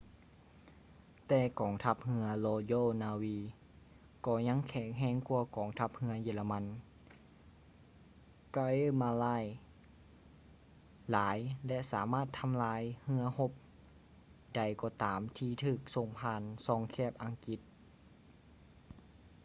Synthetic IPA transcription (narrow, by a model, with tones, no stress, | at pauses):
t̪ɛː˧kɔː˨˦ŋt̪ʰa˧˥p̚hɯ˧˥ɐlɔː˧d͡ʒoː˧˨naː˧wiː˧ | kɔː˧˩ɲa˧˥˨ŋkʰɛː˨˩ŋɦɛː˧˥ŋku˧ɐkɔː˨˩˦ŋt̪ʰa˧˥p̚hɯ˧˥ɐjiː˧˩˨la˧ma˧˥˨n | ka˧e˧˥˨ma˧laː˧˥˨j | laː˨˦jlɛ˧saː˩˦maː˥˩t̪ʰːa˧mlaː˧˥jhɯ˧ɐho˧˥p̚ | da˧˩jkɔː˧˩t̪aː˨˦mt̪ʰiː˧t̪ʰɯː˧˩k̚so˧ŋpʰaː˧˨nsɔː˧ŋkʰɛː˧˥˩p̚ʔa˧ŋki˧˦t̪̚